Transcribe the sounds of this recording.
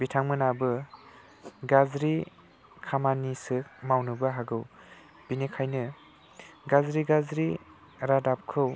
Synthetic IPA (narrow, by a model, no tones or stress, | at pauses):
bitʰaŋmɯnabɯ | ɡazɾi | kʰamanisɯkmawnɯbaɦaɡɯw | b̥inekʰajnɯ | ɡazɾiɡazɾi | ɾadap̚kʰɯw